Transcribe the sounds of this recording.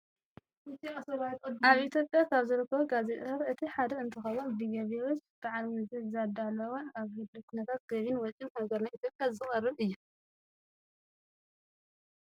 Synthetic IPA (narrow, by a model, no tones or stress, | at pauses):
ɨt̪iɐsɐβat̪ʼaβʔit̪ʰjo̞pʼjakʰaβzɨɾɨkʰːɐβuɡazet̪ʼɐɾɨt̪ʰiħad̪ɐɨnt̪ʰɨxɐwunbiɡɐβewot͡ʃb̥aʕalmɨzɨzad̪alɐwonaβhɨb̪dɨkʰunɐt̪ʰat̪̚ɡ̥ɐβinwɔt͡ʃʼimaɡɐɾnajʔit̪ʰʲjopʼjazɨxʼɐrːɨβɨjːu